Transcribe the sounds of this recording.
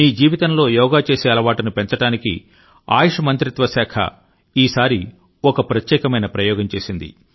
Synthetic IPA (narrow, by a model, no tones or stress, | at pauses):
niːd͡ʒiːʋit̪ɐmlo̞ːjɔːɡaːt͡ʃe̞ːseːɐlɐʋaːʈɐnupent͡ʃɐʈaːnikḭ | a̰ːjɐʂɐmɐnt̪ɾit̪ʋɐsaːkʰɐ̰ | iːsaːɾi | ɔkɐpɾɐt̪jɛːkɐmɐjnɐpɾɐjɔːɡɐɲt͡ʃe̞ːsind̪ḭ